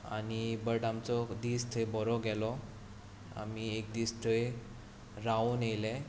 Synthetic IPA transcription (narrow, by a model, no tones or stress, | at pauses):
a̰ñibəʈamt͡sɔd̪iːst̪ʰəjbɔɾɔɡɛlɔ | a̰miek̚d̪ist̪ʰəj | ɾaunelɛ